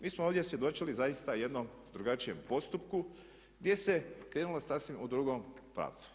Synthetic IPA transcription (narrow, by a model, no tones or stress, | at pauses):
miːsmooʋd̪jesje̞d̪o̞t͡ʃilizajist̪aje̞d̪nom | d̪ɾuɡat͡ʃije̞mpo̞st̪upku | ɡd̪je̞se̞kɾe̞ːnulosasʋimʔud̪ɾuɡompɾa̰ːʋt̪su̥